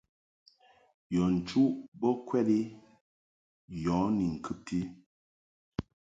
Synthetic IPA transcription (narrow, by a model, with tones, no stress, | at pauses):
jɔ˨n̩˨t͡ʃu˦bɔ˦kwɛ˦li˦ | jɔ̃ː˨˦ni˨ŋ̩˨kɨ˦p̚tʰi˦